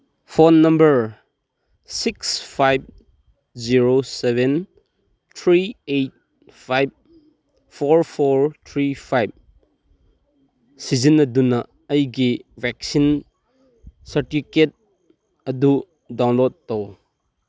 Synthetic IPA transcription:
pʰonːɐmbəɾ | sikspʰajb̚ | ziɾoseben | t̪ʰɾiejt̚ | pʰajb̚ | pʰoɾpʰoɾt̪ʰɾipʰajb̚ | sizinɐdunɐː | jɡivɛk̚sin | sɐɾtiket̚ | ɐdu | dawnlod̚ːow

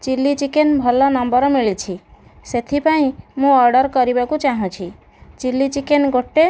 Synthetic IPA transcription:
t͡ʃilːit͡ʃikenbʱɔlɔnɔmbɔɾɔmiɭit͡ʃʰi | set̪ʰipaĩmũɔɾɖɔɾkɔɾibakut͡ʃaɦɔ̃t͡ʃʰi | t͡ʃilːit͡ʃikenɡoʈːe

